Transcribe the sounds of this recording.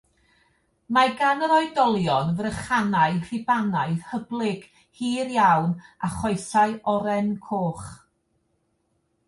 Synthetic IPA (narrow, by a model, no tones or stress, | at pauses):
maɡanəɾɔɨdɔlˠjɔnvrəχanaɨrɪbanaɨðhəblˠɪɡ̥ | hiːrjawnaχɔɨsaɨɔɾɛnkʰoːχ